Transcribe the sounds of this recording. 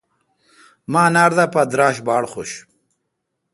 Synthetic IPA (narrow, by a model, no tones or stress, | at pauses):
maːnaːɾd̪apad̪ɾaːɕbaːɽχoɕ